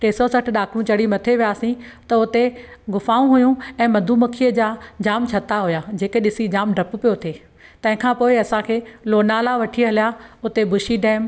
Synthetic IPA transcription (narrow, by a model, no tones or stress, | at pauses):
ʈeːsosɐʈ̆ʰɗaːkʰɽ̃ũt͡ɕɐɽimɐt̪ʰeʋijaːsĩt̪ɐʊt̪e | ɡʊfaːũɦʊjũɛ̃ːmɐd̪ʱumɐkʰijəd͡ʑaːd͡ʑaːmt͡ɕʰɐt̪aɦʊjad͡ʑeːkeɗɪsid͡ʑaːmɖʱɐp̆pijot̪ʰeː | t̪ɐ̃ɦɪ̃kʰãːpoːɪɐsãkʰeːloːnaːlaʋɐʈʰiɦɐlijaʊt̪ebʊʃiɖɛ̃ːm